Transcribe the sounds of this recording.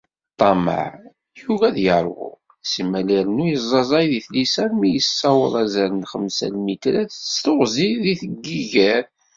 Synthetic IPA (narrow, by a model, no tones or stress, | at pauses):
t̪ˤːɑmə̰ʕ | juɣæðjəɾˤvʊ̰ | səmːæliɾnujəzˤɑzˤɑjðiθlisæmijəsːɑwə̰ɾˤæzæɾənχəmsæ̰lmit̪ɾæθst̪ʊʁziðiθəɡːiʝæɾ